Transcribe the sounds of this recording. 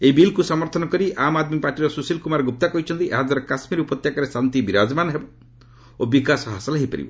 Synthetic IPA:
eibilkusɔmɔɾt̪ʰɔnɔkɔɾiʔamad̪mipaʈiɾɔsusilkumaɾɔɡup̚t̪akɔɦit͡ʃʰɔnt̪iʔeɦad͡ʒaɾɔkasmiɾupɔt̪jakɔɾesant̪ibiɾad͡ʒmanɦebɔ | obikasɔɦasɔlɦeɦipa̰ɾḭbɔ̰

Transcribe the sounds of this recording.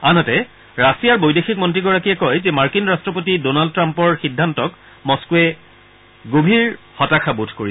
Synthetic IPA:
anɔtɛ | ɹasijaɹbojdexik̚mɔntɹiɡɔɹakijɛkɔjzemaɹkinɹastɹɔpotidonald̚tɹampɔɹxidʱːantɔk | mɔskuɛ | ɡobʱiɹ | xɔtakʰabutʰkoɹi

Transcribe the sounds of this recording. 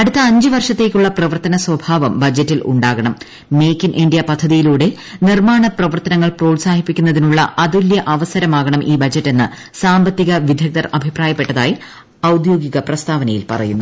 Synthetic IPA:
ɐɽut̪ːɐːɲd͡ʑɨʋɐrʂɐt̪ːe̞ːkʲːuɭːɐprɐʋɐrt̪ɐnɐswɐbʱaːʋɐmbɐd͡ʑɐtːilṵɳɖaːɣɐɳɐmː | e̞ːkːinʔiɳɖijɐpɐd̪ʱːɐðijiluːɽe | nirmaːɳɐprɐʋɐrt̪ɐnɐŋːɐɭproːlsaːhipːikʲːunːɐðinuɭːɐ̰ʔɐd̪uljɐʔɐʋɐsɐɾɐmaːɣɐɳɐmʔiːbɐd͡ʑɐtːe̞nːɨ | saːmbɐt̪ːiɣɐʋid̪ʱjɐk̚d̪ɐrɐbʱipraːjɐpːe̞ʈːɐða̰ːji | ɐwd̪jo̞ːɡiɣɐprɐst̪aːʋɐnɐjilpɐ̰rɐ̰junːu

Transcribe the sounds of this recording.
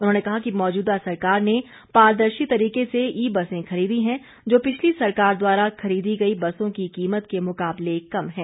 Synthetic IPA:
ʊnɦõːnekɐɦakimɔːd͡ʒuːd̪asɐɾkaːɾne | paːɾd̪əɾʃit̪ɐɾiːkeseiːbɐsẽxɐɾiːd̪iɦɛ̃ | d͡ʒoːpɪt͡ʃʰlisɐɾkaːɾd̪waːɾaxɐɾiːd̪iɡɐibɐsõkikiːmət̪kemʊkaːblekɐmɦɛ̃ː

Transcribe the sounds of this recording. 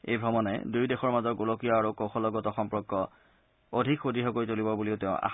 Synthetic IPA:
ḛjbʱɹɔmɔnɛ̰dujdexɔɹmazɔɡulokijɔaɹukoxʰɔlɔɡɔtɔxɔmpɹɔkːɔ | odʱikxodiɦɔkojtolibɔbuliʊteʊ̃ʔa̰

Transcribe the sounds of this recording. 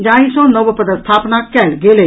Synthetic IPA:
d͡ʒãːĩsɔ̃nəʋpəd̪əst̪ʰaːpnakɛɽɡeːleː

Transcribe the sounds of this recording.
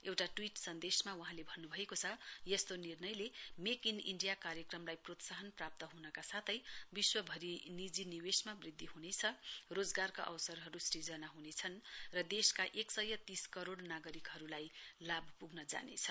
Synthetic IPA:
ewʈaʈwiʈsʌnd̪esmawuɦãlebʱʌnːubʱʌekot͡sʰʌjʌst̪onirnʌjlemekinḭɳɖijakarjʌkrʌmlajprot̪saɦʌnprap̚t̪ʌɦunʌkasat̪ʰʌjbiswʌbʱʌɾinid͡ziniwesmabrid̪ʱːiɦunet͡sʰʌrod͡zɡarkaʔʌ̰wsʌrɦʌɾusrid͡zʌnaɦunet͡sʰʌnrʌd̪eskaʔeksʌjːʌt̪iskʌɾoɽnaɡʌɾikɦʌɾulajlabʱpuɡnʌd͡za̰nḛt͡sʰʌ̥

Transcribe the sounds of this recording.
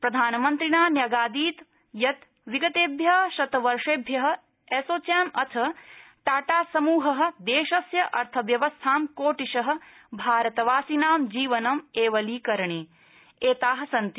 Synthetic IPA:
pɾɐd̪ʱaːnɐmɐnt̪ɾinaːnjɐɡaːd̪iːt̪ | jɐt̪ | ʋiɡɐt̪eːbʱjɐɦʃɐt̪ɐʋɐɾʂeːbʱjɐɦɐ̆ | eːsoːt͡ʃaːmɐt̪ʰɐʈaːʈaːsɐmuːɦɐɦɐ̆d̪eːʃɐsjɐʔɐ̰ɾt̪ʰɐʋjɐʋɐst̪ʰaːmkoːʈiʃɐɦɐ̆ | bʱaːɾɐt̪ɐʋaːsinaːmd͡ʒiːʋɐnɐmeːʋɐliːkɐɾɐɳeː | eːt̪aːɦɐ̆sɐnt̪i

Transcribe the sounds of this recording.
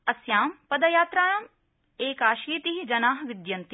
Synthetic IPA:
ɐsjaːmpɐd̪ɐjaːt̪ɾaːjɐm | eːkaːʃiːt̪iɦid͡ʒɐnaːɦɐʋid̪jɐnt̪i

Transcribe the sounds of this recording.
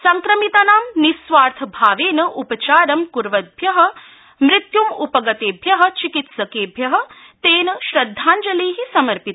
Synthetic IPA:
sɐŋkɾɐmit̪ɐnaːmnisʋaːɾt̪ʰɐbʱaːʋeːnɐʔupɐt͡ʃaːɾɐmkuɾʋɐd̪̚bʱjɐɦɐ̆ | mɾɪt̪jumupɐɡɐt̪eːbʱjɐɦɐ̆t͡ʃikit̪sɐkeːbʱjɐɦɐ̆ | t̪eːnɐʃɾɐd̪ʱːaːnd͡ʒɐleːɦisɐmɐɾpit̪

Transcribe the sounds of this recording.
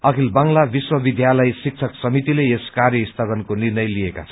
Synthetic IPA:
ʌkʰilbʌŋlabiswʌbid̪jalʌjsik̚t͡sʰʌksʌmit̪ileeskarjʌist̪ʰabʌnkonirnʌjlijeka̰t͡sʰʌn

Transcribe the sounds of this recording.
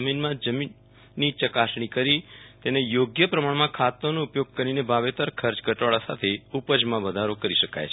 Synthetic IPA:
minmãd͡ʒəminː | it͡ʃəkasɽ̃ikəɾit̪enejoɡjəpɾəmaɳmãkʰat̪onõʊpjoɡ̚kəɾinebʱaʋet̪əɾkʰəɾt͡ʃɡʱəʈʋaɭasat̪ʰeupəd͡ʒmãʋəd̪ʱaɾokəɾiʃəka̰jt͡ʃʰe

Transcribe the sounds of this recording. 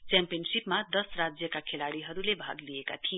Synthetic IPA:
t͡sampijʌnsipmad̪ʌsrad͡zjʌkakʰelaɽiɦʌɾulebʱa̰ɡlijeka̰t̪ʰie

